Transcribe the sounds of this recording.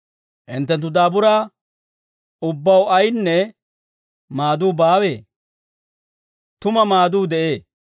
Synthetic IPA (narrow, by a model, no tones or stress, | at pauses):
ʔɪnt̪ːɛnt̪̬ːʊd̪aːbʊɾaː | ʊbːɐwɐjnːɛ | maːd̪uːbaːwe̞ː | t̪ʊmɐmaːd̪uːd̪ɛʔe̞ː